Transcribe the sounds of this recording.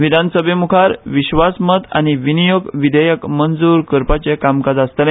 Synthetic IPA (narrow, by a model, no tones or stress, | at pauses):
ʋid̪ʱansəbʱemukʰaɾʋiɕʋasmət̪a̰ñiʋinijoɡʋid̪ʱəjəkmənd͡zuːɾkəɾpat͡ɕekamkad͡zast̪ənẽ